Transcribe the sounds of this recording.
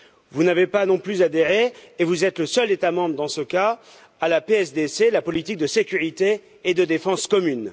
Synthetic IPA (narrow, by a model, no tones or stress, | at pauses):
vunavepanɔ̃plyzad̪eʁeːvuzɛt̪ləsœlet̪amɑ̃bʁəd̪ɑ̃səkaː | lapeɛsd̪eselapɔlit̪ik̚d̪əsekʲyʁit̪eː | d̪əd̪efɑ̃skɔmyn